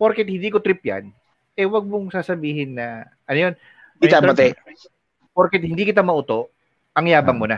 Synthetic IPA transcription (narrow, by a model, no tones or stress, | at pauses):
poɾkɛt̪̚hɪnd̪iːkot̪ɾɪpja̰n | ʔɛwɐɡ̚mʊŋsaːsɐbiːɦɪnːɐ | ʔɐnojon | ɪaɐt̪ɛ | poɾkɛt̪̚hɪnd̪ikɪt̪amɐʔut̪o̞ʔ | ʔɐŋjaːbɐŋmʊnɐ